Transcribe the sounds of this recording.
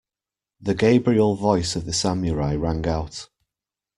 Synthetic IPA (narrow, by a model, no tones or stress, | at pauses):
ðəɡeɪbɹiəlˠvɔɪsəvðəsamjəɹaɪɹãŋɡaʊt